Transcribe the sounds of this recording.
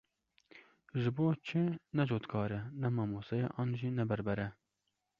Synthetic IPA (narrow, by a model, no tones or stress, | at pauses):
ʒɪboːt͡ʃʰɪnɛd͡ʒoːt̪kʰɑːɾɛnɛmɑːmosɛjḛʔɑːnʒinɛbɛɾbɛɾɛ